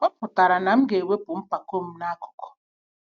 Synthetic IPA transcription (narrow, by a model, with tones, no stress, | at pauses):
ɔ˦pʊ˨ta˨ɾa˨na˨m̩˦ɡe˨we˦pʊ˨m̩˦pa˨ko˦m̩˦na˦a˦kʊ̥˨kɔ̥˨